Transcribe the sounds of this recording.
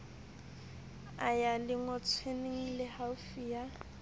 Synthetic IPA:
ajalɪŋɔt͡sʰweneŋ̩lɪhafija

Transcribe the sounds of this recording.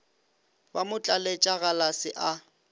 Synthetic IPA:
bamʊt͡ɬʼalet͡ʃʼaɣalasɪʔa

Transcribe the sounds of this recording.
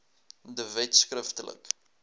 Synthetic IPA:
dəvɛtskrəftələ̰k

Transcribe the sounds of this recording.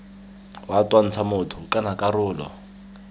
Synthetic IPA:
watʼwan̩t͡sʰamʊtʰʊkʼanakʼarʊːlɔ̰

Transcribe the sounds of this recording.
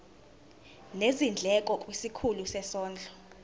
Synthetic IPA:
nezind͡ɮʱɛkʼɔkʼwisikʰulusɛsɔːnd͡ɮʱɔ

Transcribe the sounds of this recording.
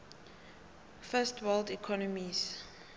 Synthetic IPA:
fɛstʰwɛldikʰɔnɔmis

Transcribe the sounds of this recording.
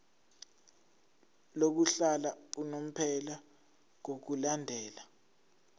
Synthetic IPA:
lok̬uɬalaunom̩pʰɛla | ŋok̬ulandʱɛːla

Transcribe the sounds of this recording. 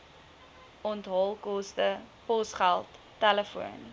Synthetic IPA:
ɔntɦɔlˠkɔstəpɔsχælˠtːɛləfuən

